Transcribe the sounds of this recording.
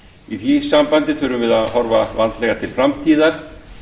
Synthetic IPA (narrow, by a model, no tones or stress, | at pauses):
iθisampant̪ɪθʏɾʏvɪðaðhɔɾva̰vant̪lɛːɣat̪ʰɪlfɾamt̪ʰiːðaɾ̥